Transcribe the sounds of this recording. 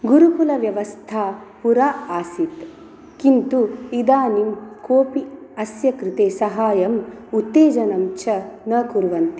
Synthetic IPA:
ɡuɾupulɐʋjɐʋɐst̪ʰaːpuɾaːaːsit̪ | kint̪uid̪aːnimkoːpiɐsjɐkɾit̪eːsɐɦaːjɐmut̪ːeːd͡ʒɐnɐmt͡ʃʰɐnɐkuɾʋɐnt̪i̥

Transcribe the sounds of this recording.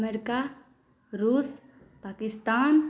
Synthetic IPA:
meɾika | ɾuːs | pakist̪aːn

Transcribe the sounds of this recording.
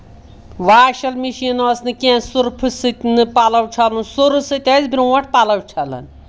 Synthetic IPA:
ʋaːʃɐlmiʃinosnɨkẽːnsuɾpʰɨsɨt̪ʲnɨpalɐwt͡ʃʰɐlunsuɾɨsɨt̪ʲazʲbiɾwɐʈ̚ʰpalɐwt͡ʃʰɐlɐ̰n

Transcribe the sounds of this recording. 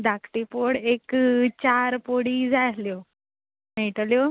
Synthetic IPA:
d̪akʰʈipoɽekt͡ɕaɾpoɽiːd͡zajljo | nejʈəljo

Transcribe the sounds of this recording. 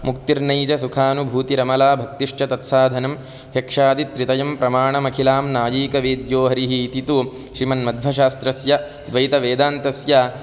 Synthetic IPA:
mukt̪iɾnɐjt͡ʃɐsukʰaːnubʱuːt̪iɾɐmɐlaːbʱɐk̚t̪iʂt͡ʃɐt̪ɐt̪saːd̪ʱɐnɐm | hekʂaːd̪it̪ɾit̪ɐjɐmpɾɐmaːɳɐmɐkʰilaːmnaːjiːkɐʋeːd̪joːɦɐɾiɦit̪it̪u | ʃɾimɐnmɐd̪ʱʋɐʃaːst̪ɾɐsjɐ | d̪ʋɐjit̪ɐʋeːd̪aːnt̪ɐsjɐ

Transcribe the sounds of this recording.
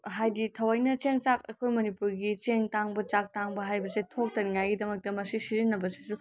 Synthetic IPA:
ɦajditʰɐwajnɐt͡ʃeŋt͡ʃakɐ̰jkʰojmɐnipuɾɡit͡ʃeŋtaŋbɐt͡ʃak̚taŋbɐɦajbɐsetʰok̚tɐɾiŋajɡidɐmɐk̚tɐmɐsisizinːɐbɐsi̥su

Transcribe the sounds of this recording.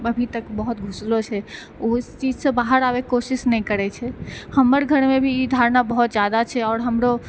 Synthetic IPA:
əbʱit̪əkbəɦʊt̪ɡʱʊslot͡ʃʰɛ | ost͡ʃiːd͡ʒsẽbaːɦəɾaːwekoːsɪʃnəɦĩkəɾɛt͡ʃʰɛhəməɾɡʱəɾmẽbʱid̪ʱaːɾnabəɦɔt̪d͡ʒjaːd̪at͡ʃʰɛɔːɾɦəmɾo

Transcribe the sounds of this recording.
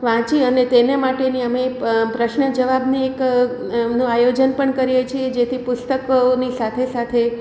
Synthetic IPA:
ʋãt͡ʃiənet̪enemaʈeniəmepɾəʃɳəd͡ʒəʋabniek | nũajod͡ʒənpəɳkəɾijet͡ʃʰied͡ʒet̪ʰipʊst̪əknisat̪ʰesat̪ʰe

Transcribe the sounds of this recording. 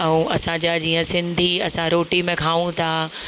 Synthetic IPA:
ɛ̃ũʔɐsãd͡ʑad͡ʑiːə̃sɪ̃nd̪ʱiɐsãɾoːʈimẽkʰaːʋũt̪ʰaː

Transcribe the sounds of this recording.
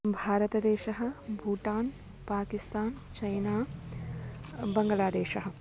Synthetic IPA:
bʱaːɾɐt̪ɐd̪eːʃɐɦɐ̆bʱuːʈaːn | paːkist̪aːnt͡ʃɐjnaː | bɐŋɡɐlaːd̪eːʃɐɦɐ

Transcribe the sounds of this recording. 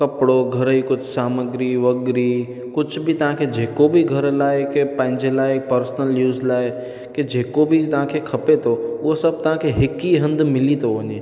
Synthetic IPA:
kɐpɽoɡʱɐɾikʊt͡ʃʰsaːməɡɾiʋɐɡɾi | kʊd͡ʒʰbʱit̪ɐɦãkʰed͡ʒeːkobʱiɡʱɐɾlaːekepə̃ɦɪ̃ɲd͡ʒelaːekpəɾsnəljuːzlaːe | ked͡ʒeːkobʱit̪ɐɦãkʰekʰɐpet̪ʰoʊɦosɐb̚t̪ɐɦãkʰeɦɪkiɦɐ̃nd̪mɪlit̪ʰoʋɐɲeː

